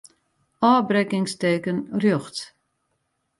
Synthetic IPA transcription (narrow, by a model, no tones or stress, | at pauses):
ɔːbrɛkɪŋsteːkənrjɔxt